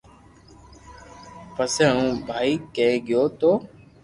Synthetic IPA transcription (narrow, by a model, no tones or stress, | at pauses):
pəsẽːũːbʱaːiːkẽɠɪjoːt̪oː